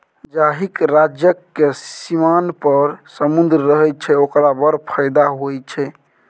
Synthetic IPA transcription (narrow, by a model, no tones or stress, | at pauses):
d͡ʒaɦikɾad͡ʒjəkːesimanpəɾsəmund̪ɾːəɦɛt̚t͡ʃʰɛokɾabəɾpʰəjd̪aɦojt͡ʃʰɛ